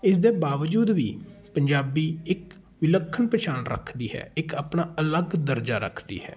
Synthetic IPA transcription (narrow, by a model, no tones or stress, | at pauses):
ɪs̬d̪eːbaːʋəd͡ʒuːd̪ʋiːpəɲd͡ʒaːbiːɪk | ʋɪləkʰːənpət͡ʃʰaːnɾə̰kʰd̪iːɦɛ̰ːɪkaːpnaːələɡd̪əɾd͡ʒaːɾə̰kʰd̪ḭːɦɛ̰ː